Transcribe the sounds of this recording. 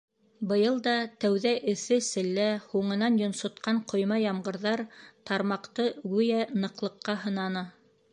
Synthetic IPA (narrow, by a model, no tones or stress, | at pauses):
bɤ̆jɤlˠd̪ɑt̪æwðæʔɘ̆θɘsɘ̆lːæhuɴɤ̆nɑnjŏnsŏt̪qɑɴqʰŏjmɑjɑmɢɤ̆ɾðɑɾt̪ɑɾmɑqt̪ɤɡʉjænɤ̆qlˠɤ̆qːɑɦɤ̆nɑnɤ